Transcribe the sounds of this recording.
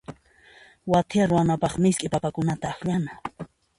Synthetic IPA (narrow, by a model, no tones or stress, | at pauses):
wat̪ʰɪaɾʊwanapɑχmɪskʼɪpapakʊnat̪aːxʎana